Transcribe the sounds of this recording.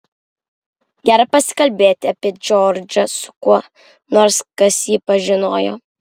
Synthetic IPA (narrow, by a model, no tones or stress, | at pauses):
ɡʲæːɾɐpɐsʲɪ̥kɐlʲbʲeːt̪ʲɪɐpʲiɛd͡ʒʲɔːɾʲd͡ʒʲɐsʊ̥kuɔ | noːɾskɐsjiːpɐʒʲɪnoːjo̰ː